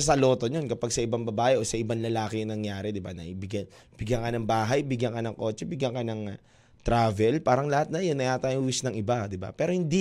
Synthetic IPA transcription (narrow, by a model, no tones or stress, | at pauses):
ɐs̬ɐlo̞ːt̪o̞ɲo̞nkɐpaɡ̚sɐʔɪbɐŋbɐbaːʔɛʔosɐʔɪbanlɐlaːkɪɐŋnɐŋjaːɾɛd̪ɪba̰nɐ̰ʔibɪɡjɐn | b̥ɪɡjɐŋkɐnɐŋbaːɦɐjbɪɡjɐŋkɐnɐŋko̞ːt͡ʃɛbɪɡjɐŋkɐnɐŋ | t̪ɾaːvɛlpaːɾɐŋlɐhat̪̚nɐjonːɐjʔaːt̪aːjoŋʔʊwɪsnɐŋʔɪbad̪ɪba̰pɛːɾo̞hɪnd̪i